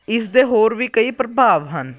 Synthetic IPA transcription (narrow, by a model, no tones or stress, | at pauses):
ɪsd̪eːɦoːɾʋiːkəiːpɾəbʱaːʋɦən